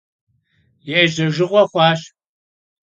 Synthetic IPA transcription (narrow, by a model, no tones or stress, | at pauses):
jɛʒɐʒɪʁʷɔχʷɑːɕ